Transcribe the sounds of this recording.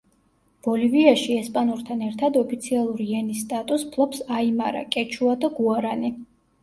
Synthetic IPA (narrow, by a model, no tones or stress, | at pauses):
b̥ɔliviaʃiɛspʼanuɾt̪ʰanɛɾt̪ʰad̪ɔpʰit̪sʰialˠuɾiɛnisːt̪ʼat̪ʼuspʰlˠɔpsaimaɾa̰kʼɛt͡ʃʰuad̪aɡuaɾani